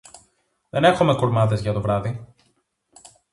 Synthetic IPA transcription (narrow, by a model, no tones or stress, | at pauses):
ðe̞ne̞xume̞kuɾmɐðe̞zʝɐt̪o̞vɾɐði